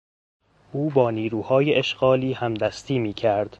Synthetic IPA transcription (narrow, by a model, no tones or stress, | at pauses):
ʔuːbɒːniːɾuːhɒːjeʔeʃɢ̥ɒːliːhæmd̪æst̪ʰiːmiːcʰæɾd̪̥